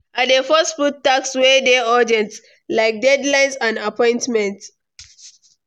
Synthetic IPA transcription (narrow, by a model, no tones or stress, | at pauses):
adefɔstfutːakswɛdeɔd͡ʒɛ̃nt | laɪk̚dɛdlãɪ̃nsãndapʰɔ̃ɪ̃ntmɛ̃nt